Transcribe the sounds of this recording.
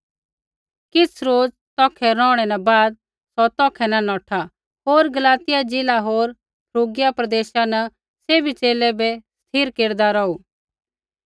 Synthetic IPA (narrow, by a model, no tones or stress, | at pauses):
kɪt͡sʰɾoːd͡z | t̪ɔːkʰɛɾɔ̃ːɽ̃ɛnabaːd̪̚ | sɔt̪ɔːkʰɛnanɔːʈʰa | ɦoːɾɡɐlaːt̪ɪjad͡ʒɪlaɦoːɾ | pʰɾoːɡɪjapɾɐd̪eːʃana | seːbit͡ʃeːlɛbɛst̪ʰiːɾkeːɾd̪aɾɔːu